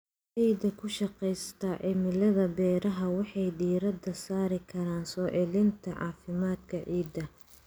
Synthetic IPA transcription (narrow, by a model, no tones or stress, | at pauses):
ʕiːd̪ɐkʰʊʃɑqɛjst̪ʰɐʕɪmɪlɐðɐbɛːɾɐɦɐwɑħɑjɖiːɾɐd̪ɐsaːɾɪkʰɐɾaːnsɔːʕɛlɪnt̪ʰɐʕɑ̰ːfɪmaːd̪kʰɐʕiːd̪ɐ